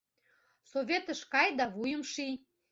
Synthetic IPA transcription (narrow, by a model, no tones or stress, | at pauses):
soβʲet̪əʃkɑjd̪ɑβujəmʃi